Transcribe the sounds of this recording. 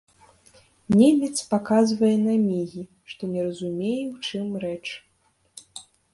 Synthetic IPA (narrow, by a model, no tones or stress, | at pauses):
nʲemʲɛt̪spakazvɐjɛnamʲiɣʲi | ʂt̪ɔnʲɛɾɐzumʲejɛwt͡ʂɨmɾɛt͡ʂ